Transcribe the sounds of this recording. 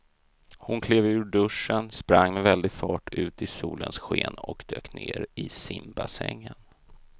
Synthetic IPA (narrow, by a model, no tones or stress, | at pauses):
hʊnkʰleːvʉ̟ːɖɵʂənspɾaŋːmɛvɛld̪ɪɡfɑːʈʉ̟ːt̪ɪsuːlənsɧeːnɔkd̪øːkneːɾɪsɪmbasɛŋːən